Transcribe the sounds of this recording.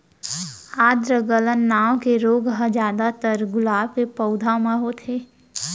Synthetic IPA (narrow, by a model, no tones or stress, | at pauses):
aːd̪ɾəɡələnːaːwõkeɾoːɡɦə̃d͡ʒjaːd̪at̪əɾɡʊlaːbkepəʊd̪ʱamãɦot̪ʰeː